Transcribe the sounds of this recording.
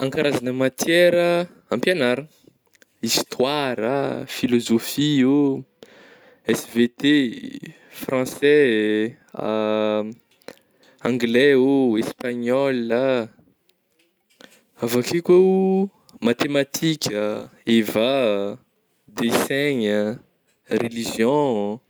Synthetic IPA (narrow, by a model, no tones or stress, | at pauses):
ãŋkaɾʔazanəmat̪ʰjɛɾə | ãmpjanaɾu | ist̪ʰwaɾə̰filozofio | ɛsvet̪e | frɑ̃sɛ | ãŋɡlɛoespaɲɔla | avakikeu | mat̪emat̪ʰikʲʰəeva | d̪esɛɲə | reliʒjɔ̃